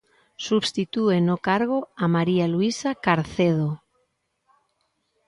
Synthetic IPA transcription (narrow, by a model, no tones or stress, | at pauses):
suβst̪it̪uenokaɾɣ̞oamaɾialuisakaɾθeð̞o